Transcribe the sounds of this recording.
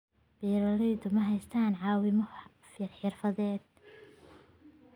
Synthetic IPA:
b̥ɛːɾɐlijd̪ʊmɐɦɛjst̪ʰaːnʕɑːwɪmɐ | fɪrħɪrfɐðɛːd̪̥̚

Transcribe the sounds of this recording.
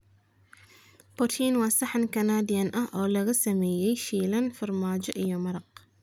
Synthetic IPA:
pʊt̪ʰinwɑːsɐħɐnkʰɐnaːd̪ɪjɐnʔɐɦʔɔːlɐɣɐsɐmɛːjɛjʃiːlɐnfɐrmaːt͡ʃɔʔijɔmɐɾɑq

